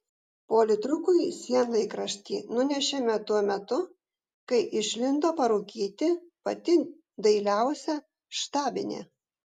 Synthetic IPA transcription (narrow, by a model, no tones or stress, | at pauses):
poːlʲɪt̪ɾʊkʊɪsʲiɛnlˠɐɪkɾɐʃʲt̪ʲiːnʊnʲɛʃʲɛmʲɛt̪uɔmʲɛt̪ʊ | kɐɪʔɪʃʲlʲɪnd̪oːpɐɾuːkʲiːt̪ʲɪpɐt̪ʲɪ | d̪ɐɪlʲæˑʊsʲɛ | ʃt̪ɑːbʲɪ̰nʲḛ